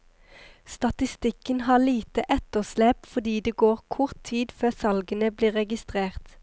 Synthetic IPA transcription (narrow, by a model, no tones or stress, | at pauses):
st̪ɑt̪ɪst̪ɪkənhɑːliːt̪əʔɛt̪əʁslɛːpfɔʁd̪iːd̪eːɡoːʁkʰʊʁt̪ʰːiːd̪føːʁsɑlɡənəbliːʁɛɡɪst̪ʁeːʁt̪